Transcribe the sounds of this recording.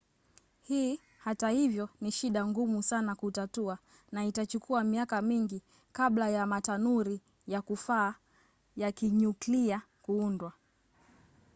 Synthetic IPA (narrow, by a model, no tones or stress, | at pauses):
hiː | hatahivjɔniʃiɗaŋɡumusanakutatua | naitat͡ʃukʰuamiakamiŋɡi | kablajamatanuɾi | jakufaː | jakiɲuklia | kuundwa